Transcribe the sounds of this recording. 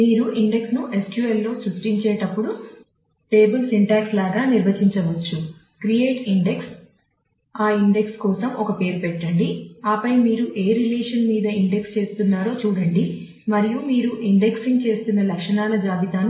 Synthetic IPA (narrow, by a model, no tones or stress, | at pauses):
miːɾuʔiɳɖe̞ksnuʔe̞skjuelːo̞ːsɾusʈiɲt͡ʃeːʈɐpːuɽu | ʈe̞ːbɐlsiɳʈaːkslaːɡaːniɾbɐt͡ʃiɲt͡ʃɐʋɐt͡ʃːu | kɾijeːʈiɳɖe̞ks | aːiɳɖe̞kskɔːsɐmɔkɐpe̞ːɾupɛʈːɐɳɖiaːpɐjmiːɾuʔe̞ːɾileːʂɐnmiːd̪ɐiɳɖekst͡ʃe̞ːst̪unːaːɾo̞ːt͡ʃuːɽɐɳɖi | mɐɾijumiːɾuʔiɳɖe̞ksint͡ʃe̞ːst̪unːɐlɐkʂɐɳaːlɐd͡ʒaːb̪it̪aːn